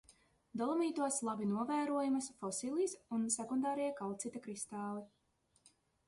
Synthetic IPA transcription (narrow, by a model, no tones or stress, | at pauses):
d̪ɔlˠɔmiːt̪uɔslˠabinuɔvæːɾuɔjumɐsfɔsilˠiːsunsɛkund̪ɑːɾɛjɛkalˠt̪sit̪akɾist̪aːlˠi